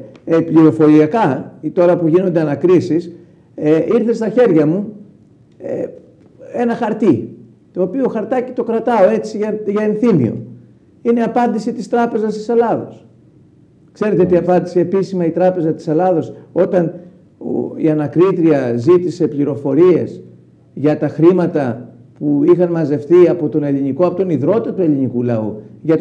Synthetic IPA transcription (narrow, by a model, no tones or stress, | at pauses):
epliɾo̞fo̞ɾiɐkɐit̪o̞ɾɐpuʝino̞nd̪e̞ɐnɐkɾisis | eiɾθe̞st̪ɐçe̞ɾʝɐmu | e | e̞nɐxɐɾt̪i | t̪o̞ːpio̞xɐɾt̪ɐci̥t̪o̞kɾɐt̪ɐo̞e̞t͡siɐʝɐenθimḭo̞̰ | ineɐpɐnd̪isit̪ist̪ɾɐpe̞zɐst̪i̥se̞lɐðo̞̰s | kse̞ɾe̞t̪eot̪iɐpɐnd̪iseːpisimɐit̪ɾɐpe̞zɐt̪i̥selɐðo̞so̞t̪ɐn | o̰ḭɐnɐkɾit̪ɾiɐzit̪ise̞pliɾo̞fo̞ɾie̞̰s | ʝɐt̪ɐxɾimɐt̪ɐ | puixɐnmɐze̞fθiɐpo̞t̪o̞ne̞liniko̞ɐpo̞t̪o̞niðɾo̞t̪ɐt̪ue̞linikulɐṵʝɐt̪